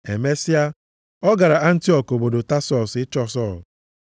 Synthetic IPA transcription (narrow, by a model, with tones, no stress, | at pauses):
e˨me˦si˦a˦ | ɔ˦ɡa˨ɾa˨a˦n̩˦ti˦ɔ˨ko˨bo˨do˨ta˦sɔ˨sɪ˦t͡ʃɔ˦sɔ˦˨l